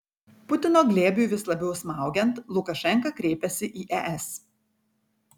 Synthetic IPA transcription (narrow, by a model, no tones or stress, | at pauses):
pʊt̪ʲɪnoːɡlʲeːbʲuʋʲɪslˠɐbʲɛʊsmɑˑʊɡʲɛnt̪lˠʊkɐʃʲɛŋkɐkɾʲeːpʲɛsʲɪʔiːʔɛʔɛs